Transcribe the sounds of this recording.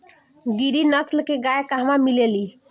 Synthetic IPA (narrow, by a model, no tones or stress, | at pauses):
ɡiɾinəslkeɡajkaɦmamileli